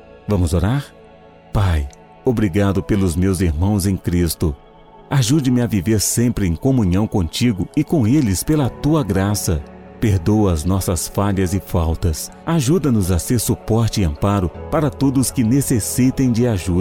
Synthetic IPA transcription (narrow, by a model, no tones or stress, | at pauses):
vɐ̃mʊzoɾaɾ | paj | obɾiɡad̪ʊpelʊzmewziɾmɐ̃w̃zẽj̃kɾist̪ʊ | aʒud͡ʒɪmɪaviveɾsẽmpɾɪẽj̃kõmũɲɐ̃w̃kõt͡ʃiɡʊɪkõelɪspelɐt̪uɐɡɾasɐ | peɾd̪owɐznɔsɐsfaʎɐzɪfawt̪ɐs | aʒud̪ɐnʊzaseɾsupɔɾt͡ʃɪɪɐ̃mpaɾʊpaɾɐt̪od̪ʊskɪnesesit̪ẽj̃d͡ʒɪaʒud̪